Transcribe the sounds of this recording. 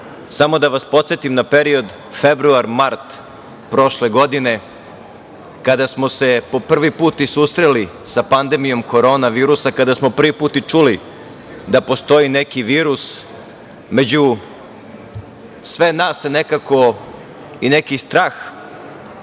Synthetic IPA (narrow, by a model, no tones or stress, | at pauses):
samo̞d̪aʋaspo̞t̪sjet̪imnape̞ɾio̞d̪ | fe̞bɾuaɾmaɾt̪ | pɾo̞ʃle̞ɡo̞d̪ine̞ | kad̪asmo̞se̞po̞pr̩ʋipuːt̪isusɾelisapand̪e̞mijo̞mko̞ɾo̞ːnaʋiːɾusakad̪asmo̞pr̩ʋipuːt̪it͡ʂuli | d̪apo̞st̪o̞ine̞kiʋiːɾus | me̞d͡ʑu | sʋe̞naːsene̞kako̞ | ine̞kist̪ɾaːx